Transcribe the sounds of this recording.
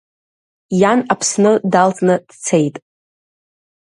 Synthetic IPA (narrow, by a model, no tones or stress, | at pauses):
janapʰsnɨdalt͡sʼnɨd̥t͡sʰe̞jtʼ